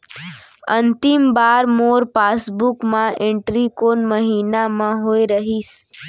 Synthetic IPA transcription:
ənt̪imbaːɾmoːɾpasbukmãẽɳʈɾikonməɦiːnamãɦoiɾəɦiːs

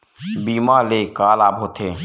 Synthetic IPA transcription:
biːmãːleːkaːlaːpɦoːt̪ʰeː

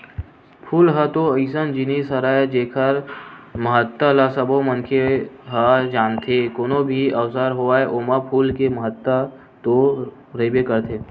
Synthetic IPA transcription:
pʰuːlɦət̪oəɪsənd͡ʒinisəɾaːed͡ʒeːkʰəɾməɦət̪ːəlasəbomənkʰeɦəd͡ʒaːnt̪ʰekoːnobʱiɐwsəɾɦoaːeʔomapʰuːlkeməɦət̪ːə | t̪o | ɾəbekəɾt̪ʰeː

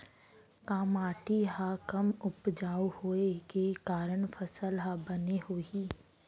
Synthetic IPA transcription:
kaːmaːʈiɦakɐmʊpd͡ʒaːuhoːekekaːɾəɳ̃fʰəsəlɦabəneɦoːiː

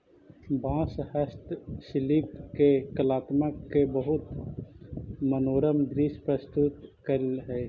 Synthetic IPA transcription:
bãːshəst̪sɪliːpkekəlaːt̪makebəɦʊt̪ | mənoːɾəmd̪ɾiːspɾəst̪ʊt̪kəɾlɦɛː

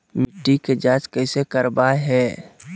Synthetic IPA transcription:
mɪʈːiked͡ʒaːt͡ʃkɛːsekəɾbaɦɛː

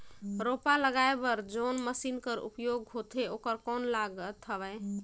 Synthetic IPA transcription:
ɾopaləɡaebəɾd͡ʒonməsinkəɾṵpjoɡɦot̪ʰeokəɾkɔnlaɡt̪ʰəbɛ

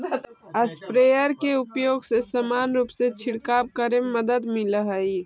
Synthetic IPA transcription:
əspɾejəɾkeupjoːɡsesəmanɾuːpset͡ʃʰiɽkab̚kəɾemːəd̪əd̪miləɦəi

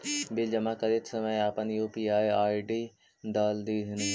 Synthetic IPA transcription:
bɪld͡ʒəmaːkəɾit̪səməjaːpənjuːpiːaːjaːiɖiː | d̪aːld̪iɦɪn

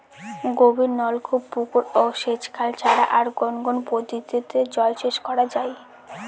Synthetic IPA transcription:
ɡobiɾnɔlkʰubpukuɾoʃet͡ɕkʰalt͡ɕʰaɽaʔaɾɡonɡonpod̪it̪it̪ed͡ʑɔeʃeʃkɔɾad͡ʑaj

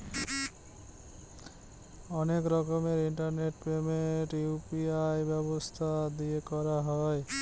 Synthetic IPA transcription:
ɔnekɾɔkɔmeɾiɳʈaɾneʈpemeʈupiajbjɔbost̪ʰad̪iekɔɾaɦɔe

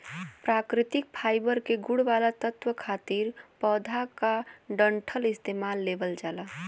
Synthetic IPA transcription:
pɾakɾɪt̪ɪk̚pʰaːɪbəɾkeɡʊɽʋalat̪ət̪ʋəkʰaːt̪iːɾpɔːd̪ʱakaɖəɳʈʰəlɪst̪emaːlːebəld͡ʒaːla

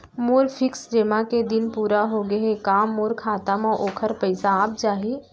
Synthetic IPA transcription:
moːɾfʰɪksɾeːmaked̪ɪnpuːɾaɦoɡɐɦekaːmːoːɾkʰaːt̪əmɔʔoːkʰəɾpəɪsaaːp̚d͡ʒaːɦi

